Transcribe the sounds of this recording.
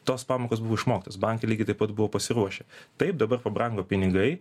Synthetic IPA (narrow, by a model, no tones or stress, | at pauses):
t̪oːspɑːmoːkoːsbʊʋoːɪʃmoːkʲt̪osbɑŋkʲelʲiːɡʲɪt̪ɐɪpɐt̪bʊʋoːpɐsʲɪɾuɔʃʲɛt̪ɐɪp̚d̪ɐbɐrpɐbɾɐŋɡoːpʲɪnʲɪɡɐɪ